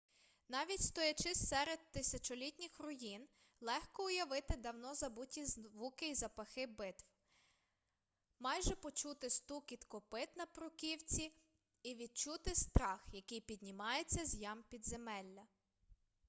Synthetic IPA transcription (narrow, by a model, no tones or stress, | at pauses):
nɑʋʲitʲst̪ɔjɐt͡ʃɪssɛɾed̪̚t̪ɪsʲɐt͡ʃɔlʲitʲnʲɪxrʊjin | lˠɛxkɔʊjɐʋɪt̪ɪd̪ɐwnɔzɐbutʲizʋukɪizɐpɐxɪbɪt̪w | mɑjʒɛpɔt͡ʃut̪ɪst̪ukit̪kɔpɪt̪nɐpɾʊkʲiwt͡sʲi | iʋʲid̪̚t͡ʃut̪ɪst̪ɾɑxjɐkɪjpʲid̪̚ʲnʲimɑjet͡sʲːɐzʲjɑmpʲid̪zemɛlʲːɐ